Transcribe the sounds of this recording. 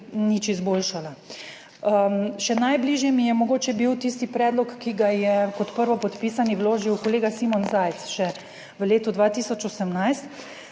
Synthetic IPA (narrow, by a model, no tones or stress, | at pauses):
nit͡ʃizboːlʃala | ʃɛnajbliːʒjɛmijɛmɔɡoːt͡ʃɛbiwt̪ist̪ipɾɛːd̪lɔkːiɡajɛkɔt̪pəɾʋɔpɔt̪piːsaniwloːʒiwkoleːɡasimɔnzaːjt̪sʃɛ | ʋəleːt̪ɔd̪ʋaːt̪isɔt͡ʃosɛmnajst̪